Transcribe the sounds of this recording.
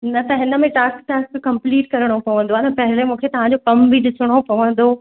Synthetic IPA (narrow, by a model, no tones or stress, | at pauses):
nɐt̪ɐɦɪ̃nə̆mẽʈaːskʈaːskkɐ̃mpliːʈkɐɾəɽ̃opɐʋə̃nd̪oanɐpɐɦɪlemũːkʰet̪ɐʋãɲd͡ʑokɐmbʱiɗɪsʰəɽ̃opɐʋə̃nd̪o